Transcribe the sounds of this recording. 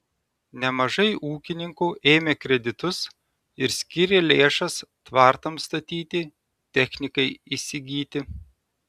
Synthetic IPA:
nʲɛmɐʒɐɪʔuːkʲɪnʲɪŋkuːʔeːmʲeːkɾʲɛd̪ʲɪt̪ʊs | ɪɾsʲkʲɪɾʲeːlʲeːʃɐst̪ʋɑˑɾt̪ɐmst̪ɐt̪ʲiːt̪ʲɪ | t̪ʲɛxʲnʲɪkɐɪisʲɪɡʲiːt̪ʲɪ

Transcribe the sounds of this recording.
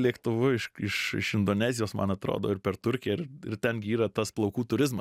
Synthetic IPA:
lʲiɛkt̪ʊʋʊɪʃɪʃɪ̰ʃɪnd̪oːnʲæːzʲɪjoːsmɐ̰nɐt̪ɾo̰ːd̪o̰ːɪɾpʲɛrt̪ʊɾʲkʲɪjɛɪɪ̰rt̪ʲɛnɡʲɪiːɾɐt̪ɐsplˠɐʊkuːt̪ʊɾʲɪzmɐ

